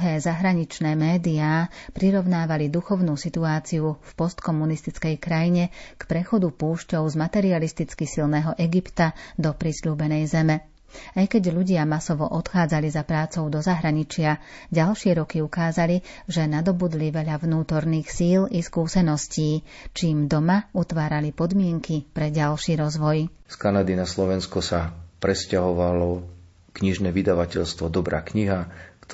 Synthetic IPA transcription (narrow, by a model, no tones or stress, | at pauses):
ɦɛːzaɦɾaɲit͡ʃnɛːmɛːd̪iaːpɾiɾɔʊnaːʋalid̪uxɔʊnuːsit̪uaːt͡siufpɔst̪kɔmunist̪it͡skɛjkɾajiɲɛkpɾɛxɔd̪upuːʃcɔʊzmat̪ɛɾialist̪it͡skisilnɛːɦɔʔɛɡipt̪ad̪ɔpɾisluːbɛnɛjzɛmɛ | ajkɛɟʎuɟɪamasɔʋɔʔɔt̪xaːd͡zalizapɾaːt͡sɔʊd̪ɔzaɦɾaɲit͡ʃɪaɟalʃɪɛɾɔkiukaːzali | ʒɛnad̪ɔbud̪liʋɛʎaʋnuːt̪ɔɾniːxsiːliskuːsɛnɔsciː | t͡ʃiːmd̪ɔmaut̪ʋaːɾalipɔd̪mɪɛŋkipɾɛɟalʃiːɾɔzʋɔj | skanad̪inaslɔʋɛnskɔsapɾɛscaɦɔʋalɔ | kɲiʒnɛːʋid̪aʋacɛʎst̪ʋɔd̪ɔbɾʔa̰ːkɲiɦak